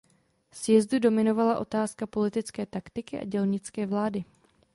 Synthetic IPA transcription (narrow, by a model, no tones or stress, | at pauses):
sjɛzdudo̞mɪno̞valaʔo̞t̪aːskapo̞lɪt̪ɪt͡skɛːt̪akt̪ɪkɪʔa̰ɟɛlɲɪt͡skɛːvlaːdɪ